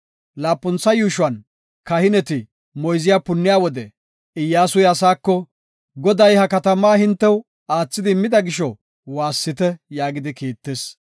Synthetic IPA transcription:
laːpʼːʊnt͡sːɐjuːʃʊwɐn | kɐhɪnɛt̪ɪ | mɔjzɪjaːpʊnːɪjaːwɔd̪ɛ | ɪjːaːsʊjɐsaːkːɔ | ɡɔd̪ɐjhɐkɐt̪ɐmaːhɪnt̪ːɛw | aːt͡sːɪd̪ɪmːɪd̪ɐɡɪʃɔ | waːsːɪt̪ɛjaːɡɪd̪ɪkiːt̪ːeːs

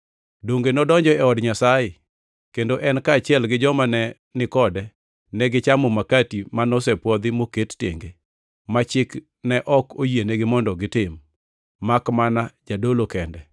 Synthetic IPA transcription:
doŋɡenɔdɔɲd͡ʒɔɛɔdɲasajɪ | kendoʔɛnkaːt͡ʃɪɛlɡɪd͡ʒɔmanɛ | nɪkɔdɛ | nɛɡɪt͡ʃamɔmakatimanɔs̬ɛpwɔd̪ɪmokettḛŋɡe | mat͡ʃɪk | nɛʔɔkojienɛɡɪmɔndɔɡɪtɪmː | akmanad͡ʒadolokɛndɛ

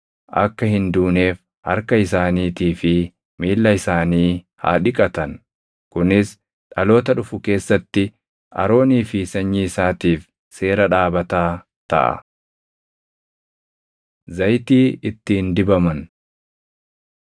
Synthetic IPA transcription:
ʔɐ̰kːɐhɪnd̪uːne̞ːf | hɐ̰ɾkɐɪsaːniːt̪iːfɪ | miːlːɐɪsaːniː | ha̰ːᶑɪkʼɐt̪ɐn | kʊnɪs | ᶑɐlo̞ːt̪ɐᶑʊfʊke̞ːsːɐt̪ːɪ | ʔɐ̰ɾo̞ːniːfɪsɐɲːiɪsaːt̪iːf | se̞ːɾɐᶑaːbɐt̪aː | t̪ɐ̰ʔɐ̰ | zɐjt̪iːɪt̪ːiːnd̪ɪbɐmɐn

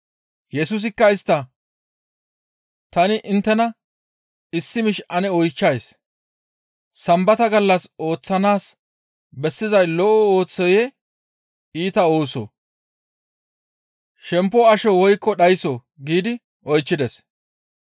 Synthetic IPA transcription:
jɛsʊs̬ɪkːɐɪst̪ːɐ | t̪ɐnɪʔɪnt̪ːɛnɐ | ɪsːɪmɪʃʔɐnɛɔjt͡ʃːɐjs | sɐmbɐt̪ɐɡɐlːɐso̞ːt͡sːɐnaːs | bɛsːɪzɐjlɔʔɔoːt͡sːɔjɛ | iːt̪ɐo̞ːso̰ | ʃɛmpːɔɐʃɔwɔjkʼːɔɗɐjɪso | ɡiːd̪ɪ | ɔjt͡ʃːɪd̪ɛs

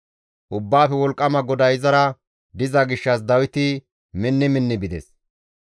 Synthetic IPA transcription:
ʔʊbːaːfɛwɔlkʼːɐmɐɡɔd̪ɐjɪzɐɾɐ | d̪ɪzɐɡɪʃːɐsd̪ɐwɪt̪ɪ | mɪnːɪmɪnːɪbɪd̪ɛ̰s

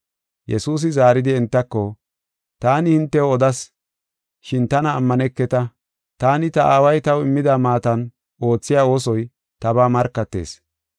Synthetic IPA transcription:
jʔɛsuːs̬ɪzaːɾɪd̪ɪɛnt̪ːɐkːɔ | t̪aːnɪhɪnt̪ːɛɔd̪ɐs | ʃɪnt̪ɐnɐːmːɐnɛkːɛt̪ɐ | t̪aːnɪt̪ɐʔaːwɐjt̪ɐwɪmːɪd̪aːmaːt̪ɐn | ʔo̞ːt͡sːɪjaːo̞ːsɔj | t̪ɐbaːmɐɾkːɐt̪ːe̞̰ːs

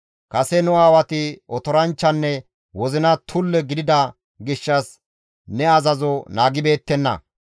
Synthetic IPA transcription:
kɐsɛnʊaːwɐt̪ɪʔɔt̪ɔɾɐnt͡ʃːɐnːɛ | wɔzɪnɐt̪ʰʊlːɛɡɪd̪ɪd̪ɐ | ɡɪʃːɐs | nɛɐzɐzɔnaːɡɪbe̞ːt̪ːɛnːɐ̰

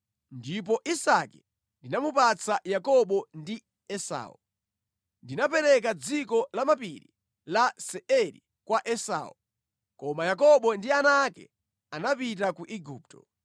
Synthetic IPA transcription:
ndip̬ɔʔisakɛ | ndinamupat͡sajakɔɓɔndi | ɛsa̰ːu | ndinapɛɾɛk̬ad͡zikɔlamapiɾḭ | lasɛɛɾḭ | kwaʔɛsa̰ːu | kɔmajak̬ɔɓɔndianakɛ̰ | anapit̬akuʔiɡuːp̚tɔ̰

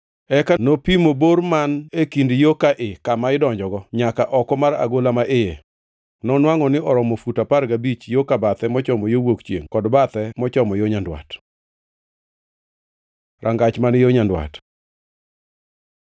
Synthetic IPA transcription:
ɛkanopimoboɾmanekindjokaʔɪkamaɪdɔɲd͡ʒɔɡɔɲakaʔɔkɔmaɾa̰ɡolamaʔɪje | nɔnwaŋɔnɪɔɾɔmɔfutapaɾɡabit͡ʃjokabat̪ɛmɔt͡ʃɔmɔjowokt͡ʃjḛŋkɔdbat̪ɛmɔt͡ʃɔmɔjoɲandwa̰t | ɾaŋɡat͡ʃmanjoɲandwa̰t

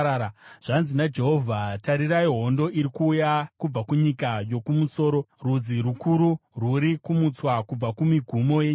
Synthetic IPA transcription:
aʐ̥anzinad͡ʒe̞ɦo̞vʱataɾiraiɦo̞ndo̞ʔiɾikuːjakub͡vakuɲikajo̞kumuso̞ːɾo̞rud͡ziɾukuɾuruɾikumut͡swakub͡vakumiɡʱumo̞jeɲ

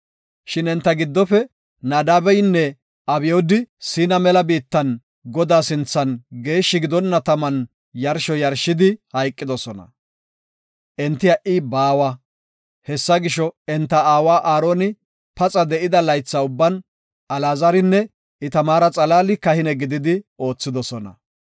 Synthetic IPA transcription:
ʃɪnɛnt̪ːɐɡɪd̪ːɔfɛ | naːd̪aːbɛjnːɛ | ɐbɪjoːd̪ɪsɪːnɐmɛlɐbiːt̪ːɐn | ɡɔd̪aːsɪnt͡sːɐnɡe̞ːʃːɪɡɪd̪ɔnːɐt̪ɐmɐn | jɐɾʃɔjɐɾʃɪd̪ɪhɐjkʼːɪd̪ɔsɔnɐ̰ | ʔɛnt̪ːɪjɐʔɪbaːwɐ | hɛsːɐɡɪʃɔɛnt̪ːɐaːwaːʔaːɾoːnɪ | pɐt͡sʼɐd̪ɛʔɪd̪ɐlɐjt͡sːaʊbːɐn | ɐlaːzɐɾɪnːɛ | ɪt̪ɐmaːɾɐt͡sʼɐlaːlɪkɐhɪnɛɡɪd̪ɪd̪ɪo̞ːt͡sːɪd̪ɔsɔnɐ̰

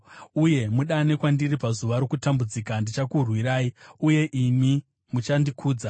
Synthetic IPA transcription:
uje̞muɗane̞kwandiripazuʋaɾo̞kutambud͡ziːkandit͡ʃakurwiɾaːiuje̞ʔimi | mut͡ʃandikʰuːd͡za

